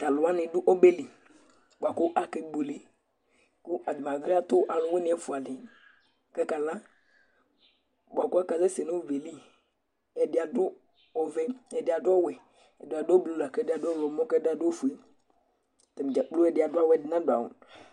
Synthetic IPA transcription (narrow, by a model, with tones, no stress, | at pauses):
t̪a˨lʊ˨a˦nɪ̃˨dʊ˦ʔo˦be˦li˨ | bo˨a˨kʊ˦ʔa˨ke˨ɡ͡bu˨le˨ | kʊ˦ʔa˨d̪mã˨ɡɾi˦a˦t̪ʊ˦ʔa˨lʊ̃˨we˦nɪ̃˨˦ɛ˦fu˨a˨dɪ˨ | kɛ˦ka˨lã˦ | bo˨a˨kʊ˦a˦ka˨ze˦se˨nõ˦o˦ve˨li˦ | ɛ˨dɪ˨a˨dʊ˦ | ɔ˨vɛ˦ɛ˨dɪ˨a˨dʊ˦ɔ˦wɛ˨ | ɛ˨dɪ˨a˨do˦blu˨la˨kɛ˦dɪ˦a˨dʊ˦ɔ˦wɔ˨mɔ̃˦kɛ˦da˨do˦fu˨e˦ | t̪ɛ˨m˨d͡ʒa˨k͡plu˦ɛ˨dɪ˨a˨dʊ˦a˦wɛ˨dɪ˨nã˦dʊ˨a̰˨wṵ˨